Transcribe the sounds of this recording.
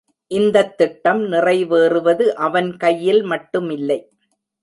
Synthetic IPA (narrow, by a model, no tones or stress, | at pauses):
ʔɪnd̪ɐt̪ːɪʈːɐmnɪrɐɪʋeːrɯʋɐðɯʔɐʋɐnkɐjːɪlmɐʈːɯmɪlːɐɪ